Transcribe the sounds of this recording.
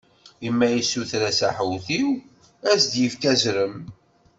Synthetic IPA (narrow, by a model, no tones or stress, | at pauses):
əmːæjisuθɾæsæ̰ħwθiw | æsd̪jəfkæzɾəm